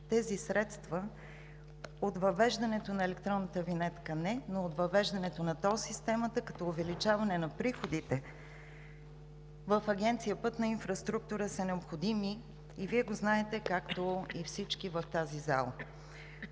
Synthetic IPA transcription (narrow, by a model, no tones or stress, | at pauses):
t̪ɛzisɾɛt̪st̪və | ot̪vɐvɛʒd̪ɐnɛt̪onɐɛlɛk̚t̪ɾɔnːət̪əvinɛt̪kənɛnoːt̪vɐvɛʒd̪ɐnɛt̪onɐt̪ɔsist̪ɛmət̪əkɐ̥t̪ɔovɛlit͡ʃavɐnɛnɐpɾixod̪it̪ɛ | vəfɐɡʲɛnt̪sijəpɤt̪nɐinfɾɐst̪ɾuk̚t̪uɾəsənɛopxod̪imiː | viɛɡoznaɛt̪ɛkakt̪oifsit͡ʃkivəft̪aziza̰lˠə̰